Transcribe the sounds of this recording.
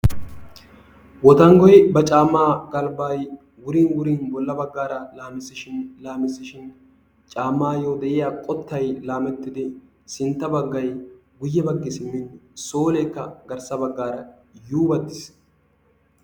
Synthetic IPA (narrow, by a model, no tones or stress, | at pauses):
wɔt̪ɐŋɡɔjbɐt͡ʃʼaːmːaːɡɐlbaːj | wʊɾinwʊɾɪnbɔlːɐbɐɡːaːɾɐlaːmɪsɪʃɪnlaːmɪsɪʃɪn | t͡ʃʼaːmːaːjod̪ɛʔɪjaːkʼɔt̪ːɐjlaːmɛt̪ːɪd̪ɪ | sɪnt̪ːɐbɐɡːɐjɡʊjːɛbɐɡːɪsɪmːɪnsoːlɛːkːɐɡɐɾsɐbɐɡːaːɾɐ | juːbɐt̪ːɪ̥s